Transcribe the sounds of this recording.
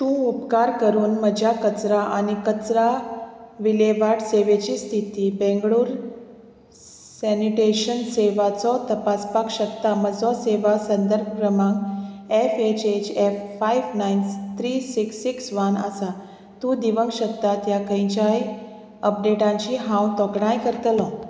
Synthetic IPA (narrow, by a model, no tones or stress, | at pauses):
t̪ũupkaɾkəɾuːnməd͡ʑʱjakət͡sɾaʔanikət͡sɾa | ʋileʋaʈseʋet͡ɕiːst̪ʰit̪iːbẽŋɡɭuːɾ | sɛniʈeɕənseʋat͡sɔt̪əpaspakɕək̚t̪aməd͡zɔseʋasənd̪əɾb̚kɾəmãŋɡefet͡ɕet͡ɕɛfːajʋnajnt̪ʰɾisiksiksʋəna̰sa | t̪ud̪iʋəŋɕət̪ːat̪jakʰə̃j̃t͡ɕai | əp̚ɖeʈãɲt͡ɕiɦãwt̪ɔkɽ̃ãjkəɾt̪əlɔ̃